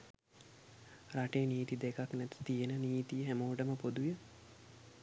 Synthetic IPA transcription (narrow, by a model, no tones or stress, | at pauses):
raʈejːniːt̪id̪ekaknɛt̪i̥t̪ijənəniːt̪ijəɦæmoːʈəməpod̪ujə